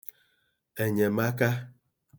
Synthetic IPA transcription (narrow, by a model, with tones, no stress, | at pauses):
e˨ɲe˨ma˦ka˦